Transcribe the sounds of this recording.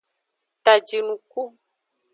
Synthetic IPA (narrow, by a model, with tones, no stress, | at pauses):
t̪a˨d͡ʒi˨nũ˨ku˦